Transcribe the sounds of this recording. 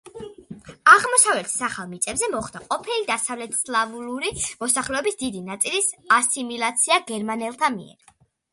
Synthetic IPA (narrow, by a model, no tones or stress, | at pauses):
aʁmɔsavlɛt̪ʰsaχalˠmit̪sʼɛbzɛmɔχd̪aqʼɔpʰilid̪asavlɛt̪ʰslˠavuluɾimɔsaχlɛɔbisd̪id̪inat̪sʼilisasimilˠat̪sʰiaɡɛɾmanɛlˠt̪ʰamḭɛ̰ɾ